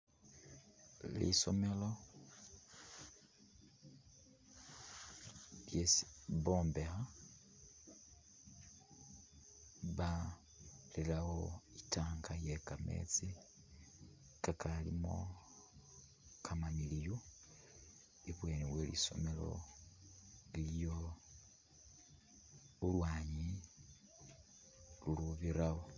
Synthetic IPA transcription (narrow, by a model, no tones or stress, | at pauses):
lḭso̰melo̞ | ljesβoːmbeha | βa | lilahoitaːŋkajekame̞̰t͡si | kakʰalimo̰ | kʰamamilijo | iβwe̞ːniβwelḭso̞̰me̞lo̞̰ | liljo | ulwaːɲi | luluβiɾaɣo